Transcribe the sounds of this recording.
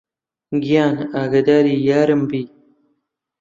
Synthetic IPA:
ɡijaːnaːɡɐd̪aːɾijaːɾɐmbiː

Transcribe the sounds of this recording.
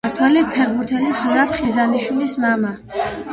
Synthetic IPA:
aɾt̪ʰwɛlipʰɛʁbuɾt̪ʰɛlisuɾapʰχizaniʃwilismama

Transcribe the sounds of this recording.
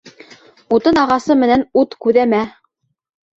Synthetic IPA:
ut̪ɤnɑʁɑsɤmɘ̆nænut̪kʉðæmæ

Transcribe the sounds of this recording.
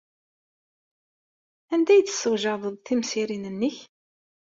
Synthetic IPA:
ænd̪æjt͡s̪ːə̥sːəwʒɑðˤəðˤθimsiɾinənːəç

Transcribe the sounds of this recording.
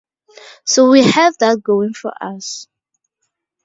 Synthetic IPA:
sowihɛvðət̚ɡ̥oɪ̃ŋfɔ̰ʔa̰s

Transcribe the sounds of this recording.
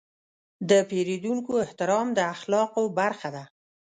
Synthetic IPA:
d̪əpeɾed̪uŋkoɪht̪ɪɾɑmd̪əaxlɑqobaɾxad̪a

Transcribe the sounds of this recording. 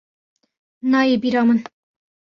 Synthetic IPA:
nɑjebiɾɑmən

